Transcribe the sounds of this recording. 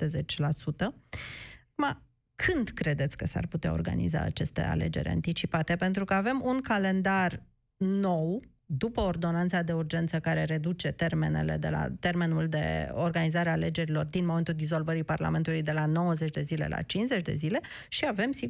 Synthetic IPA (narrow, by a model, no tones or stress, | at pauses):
t̪ezet͡ʃʲlasut̪ə | kuma | kʰɨnd̪kɾe̞d̪e̞t̪sʲkəsa̰rput̪eao̞̰rɡa̰nḭza̰ːt͡ʃe̞st̪e̞̰a̰le̞̰d͡ʒe̞̰ɾʲa̰nt̪it͡ʃipat̪e̞pe̞nt̪ɾukəave̞munkale̞nd̪ar | no̞w | d̪upəord̪o̞nant̪sad̪e̞urd͡ʒe̞nt̪səkaɾe̞ɾe̞d̪ut͡ʃe̞t̪e̞rme̞̰ne̞̰le̞̰d̪e̞̰la̰t̪e̞rme̞nuld̪e̞̰o̞rɡanizaɾeaːle̞d͡ʒe̞ɾilo̞rd̪inmoment̪uld̪izo̞lvəɾiparla̰me̞nt̪ulujd̪e̞lano̞wəzet͡ʃʲd̪e̞zile̞̰lʔa̰t͡ʃinsze̞t͡ʃʲd̪e̞̰zile̞ | ʃiave̞msi